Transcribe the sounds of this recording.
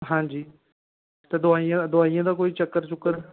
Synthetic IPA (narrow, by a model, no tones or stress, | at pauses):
ɦãːd͡ʒiː | t̪ɐd̪ʊaːijãd̪ʊaːiãːd̪aːkoːiːt͡ʃɐkːəɾt͡ʃʊkəɾ